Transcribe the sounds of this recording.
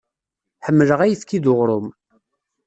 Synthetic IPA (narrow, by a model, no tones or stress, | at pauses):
ħəmːələʁæjəθkːiðʊʁɾˤʊm